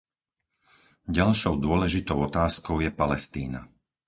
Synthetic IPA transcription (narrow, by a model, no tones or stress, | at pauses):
ɟalʃɔʊd̪ʊɔlɛʒit̪ɔʊɔt̪aːskɔʊjɛpalɛst̪iːna̰